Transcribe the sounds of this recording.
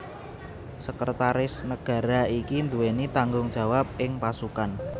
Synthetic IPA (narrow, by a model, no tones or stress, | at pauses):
səkərt̪aɾɪsnəɡ̥a̤ɾaikind̪uwenit̪aŋɡʊŋd̥d͡ʒʒ̥a̤wap̚ɪŋpasukan